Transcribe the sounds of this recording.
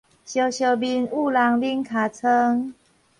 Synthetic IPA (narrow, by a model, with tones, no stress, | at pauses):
ɕjo˨˩ɕjo˨˩bi˨nu˥˨la˨˩ŋli˦ŋkʰa˨˩t͡sʰə˦˥ŋ